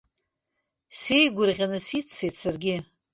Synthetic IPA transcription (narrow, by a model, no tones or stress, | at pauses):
sejɡʷʊrʁʲanɨsit͡sʰːetsarɡʲɪ